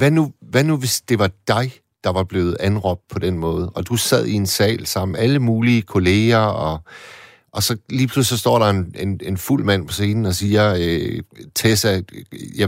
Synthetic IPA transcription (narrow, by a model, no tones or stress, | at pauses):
ʋænuʋænuʋe̝sd̥e̝ʋɑ̈d̥ɑ̈ɪ | d̥ɑ̈ʋɑ̈b̥le̝ːð̞̩ˠænʁɒ̽b̥̚d̥̚pʰɒ̽d̥en̰mɔ̽ːð̞̩ˠɒ̽d̥usæð̞̰ˠie̝nsɛ̰ːlsɑ̈m̰n̩æləmuːliəkʰo̝le̝ːɐɒ̽ | ʔɒ̽sɒ̽liːpʰluslisd̥ɒ̰ːɾ̥ɑ̈e̝ne̝ne̝nful̰mæn̰pʰɒ̽se̝ːnn̩ɒ̽siːɐøt͡sʰesæjæ